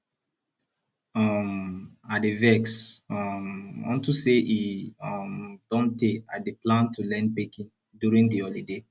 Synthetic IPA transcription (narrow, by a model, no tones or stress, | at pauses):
ɔmadevɛksɔmɔ̰̃ntuseʔiɔ̃md̥ɔ̃nteadeplãntʰulɛ̃nd̚bekĩn | djuɹĩŋdiɔlide